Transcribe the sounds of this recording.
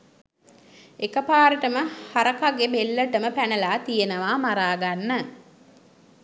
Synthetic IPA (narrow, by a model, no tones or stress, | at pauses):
ekəpaːɾəʈəməhaɾəkaɡebelːəʈəməpænəlaːt̪ijenəʋaːmaɾaːɡanːə